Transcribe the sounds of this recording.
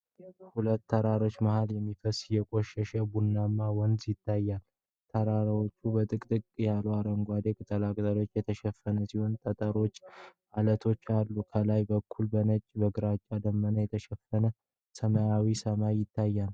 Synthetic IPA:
hulət̪ːʰəɾaɾo̞t͡ʃːmahaljɛmːifəsjɛkʼoʃɛʃəbunːamːawɔnzjɪt̪ʰːajːal | t̪ʰəɾaɾwo̞t͡ʃːubət̪ʼɨkʼt̪ʼɨkʼjaluaɾəŋɡʷad̪ekʼt̪ʼəlakʼzalo̞t͡ʃːjɛt̪ʰəʃɛfːənəsiho̞nt̪ʼət̪ʼəɾo̞t͡ʃːʔalət̪ʰo̞t͡ʃːalːukʰəlajbəkʰːulbənət͡ʃʼbəɡɨɾat͡ʃʼːad̪əmːənəjɛt̪ʰəʃɛfːənə | səmajawisəmajɪt̪ːajːal

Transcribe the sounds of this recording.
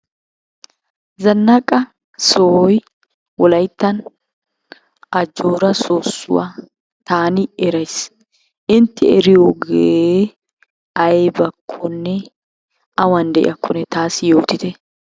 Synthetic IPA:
zɐnːɐkʼɐ | soːj | wɔlɐjt̪ːɐn | ʔɐd͡ʒoːɾɐsoːsːʊ̰wa | t̪aːnɪɛɾɐjs | ʔɪnt̪ːɪɛɾɪjoɡe | ɐjbɐkʰːɔnːɛ | ɐwɐnd̪ɛʔɪ̰ɐkʰːɔnɛt̪aːsɪjo̞ːt̪ɪt̪ɛ

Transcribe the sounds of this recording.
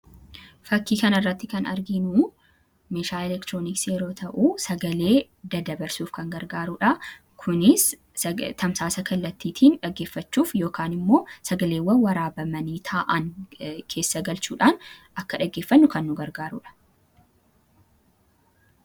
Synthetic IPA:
fɐkːiːkɐnɐrːɐt̪ːɪkɐnɐ̰ɾɡɪnuː | meːʃaːɛlɛkt̪ɾoːnɪksɛɾo̞ːt̪ʰɐʔuːsɐɡɐle̞ː | d̪ɐd̪ɐbɐɾsuːfkɐŋɡɐɾɡaːɾuᶑɐ | kʰʊnɪs | t̪ʰɐmsaːsɐkɐlːɐt̪ːiːt̪ʰiːnᶑɐɡːe̞ːfːɐt͡ʃːuːfjo̞ːkaːnɪmːo̞ːsɐɡɐle̞ːwːɐnwɐɾaːbɐmɐniːt̪ʰaːʔɐŋkʰe̞ːsːɐɡɐlt͡ʃuːᶑaːnʔɐkːɐᶑɐɡe̞ːfːɐnːʊkɐnːʊɡɐɾɡaːɾṵᶑɐ̥

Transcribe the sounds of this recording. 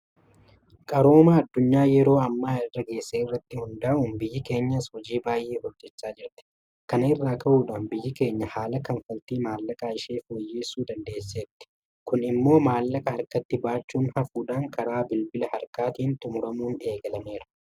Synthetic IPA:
kʼɐɾo̞ːmaːɐd̪ːʊɲːaːjɛɾo̞ːɐmːaːɪrːɐɡe̞ːsːeːɪrːɐt̪ːɪhʊnd̪ɐʔuːnbɪjːɪke̞ːɲːɐshɔd͡ʒiːbaːjʔe̞ːhɔd͡ʒːɛt͡ʃːaːd͡ʒɪɾt̪ɪ̥ | kɐnɐɪrːaːkʰɐʔuːᶑaːnbɪjːɪke̞ːɲːɐhaːlɐkɐnfɐlt̪iːmaːlːɐkʼaːɪʃeːfoːjːe̞ːsːuːd̪ɐnd̪e̞ːsːeːt̪ːɪ̥ | kʊnɪmːo̞ːmaːlːɐkʼɐhɐɾkɐt̪ːɪbaːt͡ʃːuːnhɐfuːᶑaːŋkʰɐɾaːbɪlbɪlɐhɐɾkaːt̪iːnt̪ʼʊmʊɾɐmuːne̞ːɡɐlɐme̞ːɾɐ̥

